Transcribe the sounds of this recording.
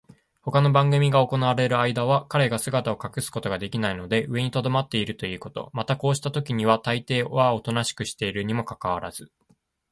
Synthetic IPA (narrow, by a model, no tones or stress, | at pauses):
ho̞kano̞bãŋɡɯ̟mʲiɡao̞ko̞naβaɾe̞ɾɯ̟aid̪aβ̞akaɾe̞ɡasɨɡat̪ao̞kakɯ̟sɨ̥ko̞t̪o̞ɡad̪e̞kʲinaino̞d̪e̞ʔɯ̟e̞ɲ̟it̪o̞d̪o̞mat̪ːe̞iɾɯ̟t̪o̞iɯ̟ːkot̪o̞̰mat̪ako̞ːɕi̥t̪at̪okʲiɲ̟iβ̞at̪ait̪e̞ːβao̞t̪o̞naɕi̥kɯ̟ɕi̥t̪e̞iɾɯ̟ɲ̟imo̞kakaβ̞aɾaz̥ɨ